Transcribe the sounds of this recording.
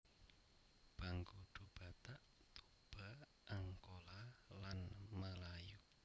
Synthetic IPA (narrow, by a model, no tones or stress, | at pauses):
b̥a̤ŋɡuɖ̪̥ub̥a̤t̪aʔ | t̪u | b̥a | ʔaŋkolalanməlaju